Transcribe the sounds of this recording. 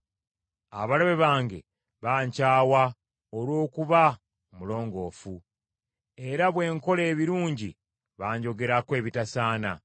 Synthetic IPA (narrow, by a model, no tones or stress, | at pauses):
a̰βaleβe̞βaːŋɡe̞̰ | βaːɲcaːwa | olwo̞ːkuβa | mulo̞ːŋɡo̞ːfu | e̞ɾaβwe̞ːŋko̞le̞ːβiɾuːɲɟḭ | βaːɲɟo̞ɡe̞ɾakwe̞ːβitasaːna̰